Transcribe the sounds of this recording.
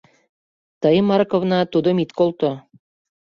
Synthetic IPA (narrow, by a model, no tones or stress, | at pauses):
t̪ɤjmɑrkovnɑt̪ud̪ŏmit̪kolˠt̪o